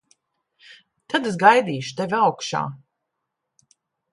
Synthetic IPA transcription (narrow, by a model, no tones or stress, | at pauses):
t̪ʰad̪esɡajd̪iːʃu̥t̪evʲiawkʃa̰ː